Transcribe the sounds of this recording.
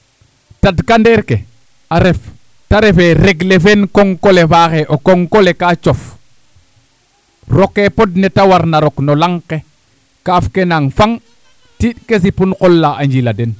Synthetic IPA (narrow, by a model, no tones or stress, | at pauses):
tadkandeɾke | aɾef | taɾefeɾeɡlefenkoŋkolefaxeʔokoŋkolekat͡ʃof | rokːepodnetawaɾnaɾoknolaŋke | kafkenaŋfaŋ | tiɗkes̬ipunqɔlːaaɲd͡ʒiladen